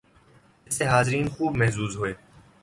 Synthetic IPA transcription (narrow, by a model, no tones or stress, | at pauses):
ɪseɦaːzɪɾiːnxuːbmɛɦzuːzɦʊeː